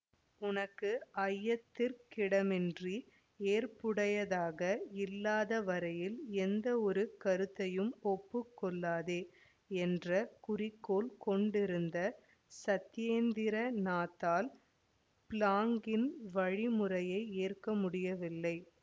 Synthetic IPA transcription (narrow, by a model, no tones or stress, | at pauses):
ʊnɐkːɯɐjːɐt̪ːɪɾkɪɽɐmɛndri | eːrpʊɽɐjɐðaːɣɐɪlːaːðɐʋɐɾɐjɪlɛnd̪ɐɔɾɯkɐɾɯt̪ːɐjɯmɔpːɯkːɔɭːaːðeː | ɛndrɐkʊrɪkːoːlkɔɳɖɪɾɯnd̪ɐ | sɐt̪ːɪjeːnd̪ɪɾɐnaːt̪ːaːl | plaːŋɡɪnʋɐɻimʊrɐjɐɪeːrkɐmʊɽɪjɐʋɪlːɐɪ